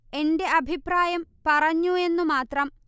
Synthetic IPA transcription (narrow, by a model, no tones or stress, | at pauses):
e̞nde̞ʔɐbʱipraːjɐmpɐrɐɲːue̞nːumaːt̪rɐm